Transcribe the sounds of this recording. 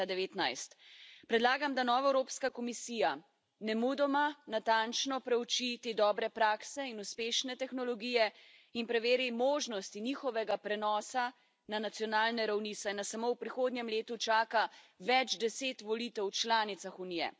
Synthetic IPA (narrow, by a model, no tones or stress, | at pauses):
ad̪ɛʋeːt̪najst̪pɾɛd̪laːɡamd̪anɔːʋaɛwɾoːpskakɔmisiːja | nɛmud̪ɔmanat̪ant͡ʃnɔpɾɛwt͡ʃit̪eːd̪ɔːbɾɛpɾaːksɛinuspeːʃnɛt̪ɛxnɔlɔɡiːjɛ | inpɾɛʋeːɾimoːʒnɔst̪inixɔʋɛɡapɾɛnɔːsa | nanat̪sjɔnaːlnɛɾawnisajnasamowpɾixoːd̪njɛmleːt̪ut͡ʃaːkaʋɛd͡ʒd̪ɛseːt̪ʋɔlit̪ɛwt͡ʃlaːnit̪saxunijɛ̰